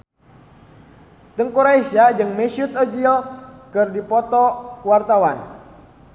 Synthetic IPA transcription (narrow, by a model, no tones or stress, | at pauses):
t̪əŋkuɾaisad͡ʒɨŋmɛsut̪ɔd͡ʒiɔkɨrdipɔt̪ɔwart̪awan